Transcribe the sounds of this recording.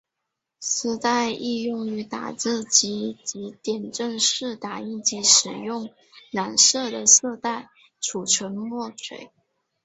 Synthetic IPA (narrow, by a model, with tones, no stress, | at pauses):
sɹ̩˥t̪a˥˧ɪi˥˧jʊ˥˩ŋy˧˥t̪a̰˨˩t͡sɹ̩˥˩t͡ɕi˧˥t͡ɕi˧˥t̪jɛ˨˩nʈ͡ʂə˥˧ŋʂɻ̩˥˩t̪a˨˩i˥˩nt͡ɕi˧˥ʂɻ̩˨˩jʊ˥˩ŋ | na˨˩nsɤ˥˩d̪ə˩sɤ˥˧t̪a˥˩ɪ | ʈ͡ʂʰu˨˩ʈ͡ʂʰwə˧˥nmwɔ˥˩ʂʰwḛ˨˩ɪ